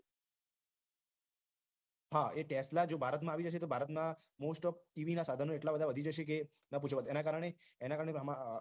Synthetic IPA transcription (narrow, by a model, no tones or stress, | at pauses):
haeʈeslad͡ʒobʱaɾət̪mãːʋid͡ʒəʃ̬et̪obʱaɾət̪mã | mosʈɔpʈiʋinasad̪ʱənõeʈlabəd̪ʱaʋəd̪ʱid͡ʒəʃek̬e | nəp̬ut͡ʃʰʋət̪enakaɾəɳ̃e | enakaɾəɳ̃eəm